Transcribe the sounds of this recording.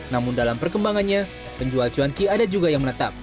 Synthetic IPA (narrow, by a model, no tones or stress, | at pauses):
namʊndalampərkəmbaŋanɲa | pəɲd͡ʒualt͡ʃuankiadad͡ʒuɡajaŋmənət̪a̰p̚